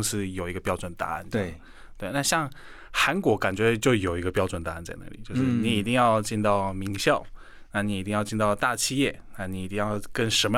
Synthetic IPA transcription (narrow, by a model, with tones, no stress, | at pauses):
ʂ̩˥jo˨˩ʊi˧˥ɡə˧pjɑ˥ʊʈ͡ʂwə˨˩nt̪a̰˧˥a̰˥˩n˥˩ | t̪we˥˩˧ɪna˥˧ɕjɑ˥˩ŋ | xa˧˥nkwɔ˧˥ka˨˩nt͡ɕɥɛ˧˥t͡ɕjo˥˩ʊjo˨˩ʊi˧˥ɡə˧pjɑ˥ʊʈ͡ʂwə˨˩nt̪a˧˥˧nt͡sa˥˧ɪna̰˥˩li˨˩˦t͡ɕjo˥˧ʊʂ̩ɻ̩˥ni˧˥i˨˩t̪i˥˧ŋjɑ˥˧ʊt͡ɕi˥˧nt̪ɑ˥˩ʊmi˧˥ŋɕjɑ˥˩ʊ | na˥˩ni˧˥i˨˩i˥˧jɑ˥˧ʊt͡ɕi˥˧nt̪ɑ˥˧ʊt̪a˥˧t͡ɕʰi˥˧jɛ˥˩na˥˩ni˧˥i˨˩i˥˧ŋjɑ˥˧ʊkə˥˧nʂə˧˥mə˧